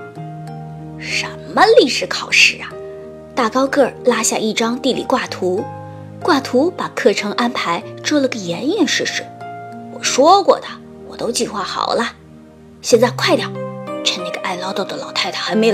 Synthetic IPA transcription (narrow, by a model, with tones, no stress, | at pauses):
ʂə˧˥nmə˧li˥˩ʂɻ̩˧˥kʰɑ˨˩ʊʂɻ̩˥˩ɐ˨˩ | t̪a˥˩kɑ˥ʊkɤ˥˩la˥ɕja̰˥˧ʔi˥˩ʈ͡ʂɑ˥ŋt̪i˥˩lḭ˨˩kwa˥˩t̪ʰu˧˥ | kwa˥˩t̪ʰu˧˥pa˨˩kʰɤ˥˩ʈ͡ʂʰɤ˧˥ŋʔa˥npʰa˧˥ɪʈ͡ʂwɔ˥lə˨˧˥ɡə˩jɛ˧˥ni˥˧nʂɻ̩˥˩ʂɻ̩˧˥wɔ˨˩ʂwɔ˥kwɔ̰˥˩d̪ə˩ | wɔ˨˩t̪o˥ʊt͡ɕi˥˩xwa˥˩xɑ̰˨˩ʊlə˦ | ɕjɛ˥˧nt͡sa˥˧ɪkʰwa˥ɪt̪jɑ˨˩ʊʈ͡ʂʰə˧˥na˥˩ɡə˩ʔa˥˩ɪlɑ˥ʊt̪o˥˩ʊd̪ə˧˩lɑ˨˩ʊt̪ʰa˥˩ɪt̪ʰə˨˩xa˧˥ɪme˧˥ɪ